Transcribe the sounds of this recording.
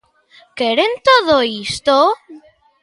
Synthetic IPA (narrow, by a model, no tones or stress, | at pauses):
keɾent̪oðoist̪o